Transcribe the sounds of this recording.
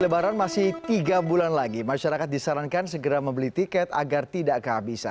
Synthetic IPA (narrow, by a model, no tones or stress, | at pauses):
ləbaɾanmasɪht̪iɡabulanlaɡimaʃaɾakat̪̚disaɾaŋkansəɡəɾaməmbəlit̪ikɛt̪a̰ɡart̪idaʔkəɦabisa̰